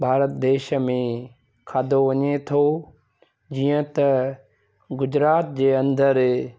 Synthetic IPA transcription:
bʱaːɾət̪d̪eːʃəmẽ | kʰaːd̪oʋɐɲet̪ʰoː | d͡ʑiːə̃t̪ɐ | ɡʊd͡ʑɾaːt̪̚d͡ʑeːɐ̃nd̪əɾ

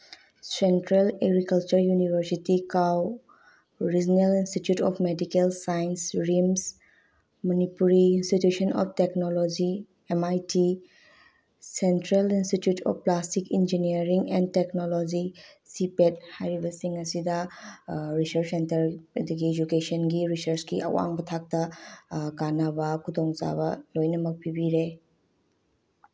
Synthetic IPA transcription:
sentɾeleɡɾikalt͡ʃɐɾjunibʱəɾsitikaw | ɾid͡ʒɔnelinstitjutɔpʰmedikelsajnsɾims | mɔnipuɾiinstitjusɔnɔ̰pteknolod͡ʒi | emajtʰi | sentɾelinstitjutʰɔ̰pplastikind͡ʒiniɐɾiŋenteknolod͡ʒisipet̚hajɾibɐsiŋɐsidɐ | ɾisɐɾssentɐɾɐd̪uɡied͡ʒukesɐnɡiɾisɐɾsɡiʔɐ̰wa̰ŋbɐtʰak̚tɐ | ɡanɐbɐkʰud̪oŋt͡ʃa̰bɐlojnɐmɐk̚pʰibiɾe

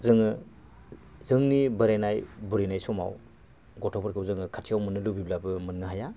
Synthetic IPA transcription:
zɯŋɯ | zɯŋnibɯɾajnajbuɾejnajsɔma̰w | ɡɔtʰɔpʰɯɾkʰɯbzɯŋɯkʰatʰijawmɯnɯlubiblabɯmɯnːɯɦaja

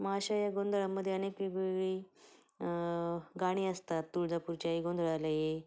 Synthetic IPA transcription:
maɕajaɡond̪ɭaməd̪ʱːjeənekʋeɡeɡɭiː | ɡaɽ̃iːəst̪at̪ːuɭd͡zapuɾt͡ɕaiɡond̪ʱɭaləje

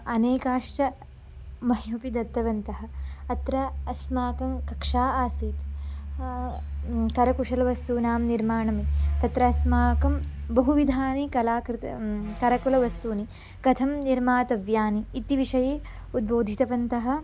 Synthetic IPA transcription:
ɐneːkaːʂt͡ʃɐ | mɐɦijɐpid̪ɐt̪ːɐʋɐnt̪ɐɦɐ̆ɐt̪ɾɐɐsmaːkɐmkɐkʂaːaːsiːt̪ | kɐɾɐkuʂɐlɐʋɐst̪uːnaːmniɾmaːɳɐmit̪ɐt̪ɾɐɐsmaːkɐmbɐɦuʋid̪ʱaːnikɐlaːkɾit̪ɐkɐɾɐkulɐʋɐst̪uːni | kɐt̪ʰɐmniɾmaːt̪ɐʋjaːniːt̪iʋiʂɐjeː | ud̪̚boːd̪ʱit̪ɐʋɐnt̪ɐɦɐ̆

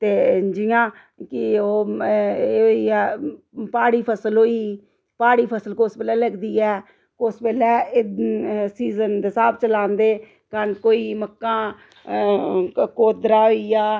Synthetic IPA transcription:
t̪eːd͡ʒɪjãː | kɪoː | oːiːɛː | paːɽiːpʰəsəlɦoːiː | paːɽiːpʰəsəlkʊspɛːlɛːləɡd̪iːɛː | kospɛːlɛː | siːzənd̪eːsaːb̚ʰt͡ʃəlãːnd̪eː | kənkoːiːməkːãː | koːd̪ɾaːɦoiːaː

